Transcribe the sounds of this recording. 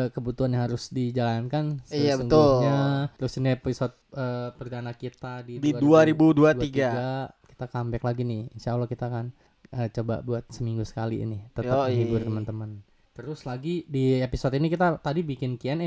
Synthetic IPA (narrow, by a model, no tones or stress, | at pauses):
kəbut̪uanjaɦaɾʊsdid͡ʒalankansiabəŋʊlɲat̪ɾʊsiniepisɔt̪̚əpərd̪anakit̪adidiuaduaɾibuduaduaiɡaɡaki̥t̪akambɛklaɡinɪhinsalakit̪akan | ʔət͡ʃoba̰ʔbuat̪̚səmiŋɡusə̥kalḭnɪt̪ət̪aəŋiɡuɾt̪əmənt̪əmən | t̪əɾʊslaɡidiepisot̪inikit̪at̪adibikɪnkiɛnɛ